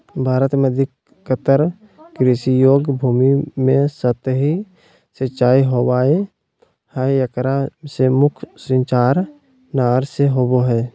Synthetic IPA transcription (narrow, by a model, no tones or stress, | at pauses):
bʱaːɾət̪mẽəd̪ʱɪkː | ət̪əɾ | kɾisijoːɡbʱuːmimẽsət̪ɦi | sət͡ʃʃaːiɦowaːe | haːjjəkɾasemʊkʰsə̃ɲt͡ʃaːɾ | naːɾseɦoːboɦɛː